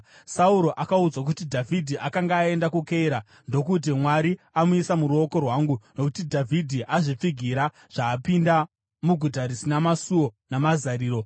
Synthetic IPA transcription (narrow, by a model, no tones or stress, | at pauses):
sauɾo̞ʔakaud͡zwak̬utidʱavʱidʱiʔakaŋɡaːe̞ndakukeiɾa | ndo̞kut̬imwaɾi | amuisamuɾuo̞ko̞rwaŋɡunokutidʱavʱidʱiʔaʐip͡fiɡʱiɾa | ʐ̥aːpinda | muɡʱutaɾisinamasuo̞namazaɾiːɾo̞